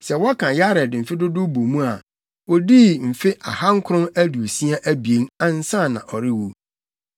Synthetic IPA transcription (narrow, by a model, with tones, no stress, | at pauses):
sɛ˨wɔ˦kʰã˨ja˦ɾɛ˨dɪ˨m̩˨fɪ˦dʊ˦dʊ˦bo˨mũ˦a˨ | wɔ˦di˦m̩˨fɪ˦ʔa̰˨ha˦ŋ̩˦kʰʊ˦ɾʊ̃˦mæ˦du˨o˨si˦a˦ʔæ˦bi˨e˦nã˦n̩˦sã˦˨nã̰˨ʔɔ˨ɾɪ˦wu˦